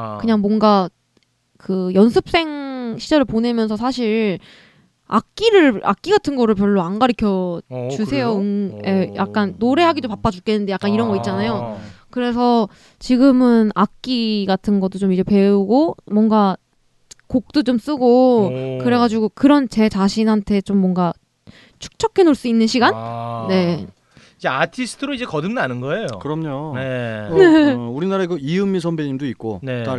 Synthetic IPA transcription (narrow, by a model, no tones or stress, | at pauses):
kɯɲaŋmwʌŋɡa | kɯjʌnsʰɯp̚s͈e̞ŋɕʰid͡ʑʌɾɯɭpone̞mjʌnsʰʌsʰaɕʰiɾ | a̰k̚k͈iɾɯɭa̰k̚k͈iɡatʰɯnɡʌɾɯɭp̬jʌɭːoaŋɡaɾikʰjʌt͡ɕusʰe̞joɯŋeja̰k̚k͈anːoɾe̞ɦaɡidopap͈ad͡ʑuk͈enːɯnde̞jak͈aniɾʌnɡʌit̚t͡ɕ͈anajokɯɾe̞s̬ʰʌ | t͡ɕiɡɯmɯnak̚k͈iɡatʰɯnɡʌt͈ot͡ɕomid͡ʑe̞pe̞uɡomwʌŋɡa | kok̚t͈ot͡ɕoms͈ɯɡokɯɾe̞ɣad͡ʑiɡokɯɾʌnt͡ɕe̞t͡ɕaɕʰinɦantʰe̞t͡ɕomːwʌŋɡa | t͡ɕʰu̥k̚t͡ɕʰʌkʰe̞noɭs͈uinːɯnɕʰiɡanːe̞ | id͡ʑe̞atʰisʰɯ̥tʰɯɾoid͡ʑe̞kʌdɯmnanɯnɡʌe̞jo̰kɯɾʌmɲoneneuɾinaɾaiɡʌiɯmːisʰʌmbeɲimdoit̚k͈o̰neta